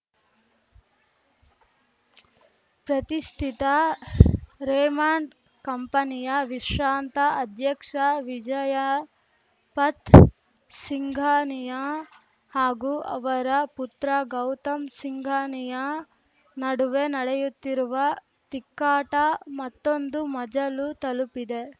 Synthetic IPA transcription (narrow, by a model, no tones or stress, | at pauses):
pɾɐt̪iʂʈʰit̪ɐ | ɾeːmaːɳɖ | kɐmpɐnijɐʋiʂɾaːnt̪ɐɐd̪ʱjɐkʂɐʋid͡ʒɐjɐ | pɐt̪ | siŋɡʱaːnijɐ | haːɡuʔɐ̰ʋɐɾɐput̪ɾɐɡɐwt̪ɐmsiŋɡʱaːnijɐ | nɐɽuʋe̞nɐɽejut̪ːiɾuʋɐ | t̪ikːaːʈɐmɐt̪ːo̞nd̪umɐd͡ʒɐlut̪ɐlupid̪e̞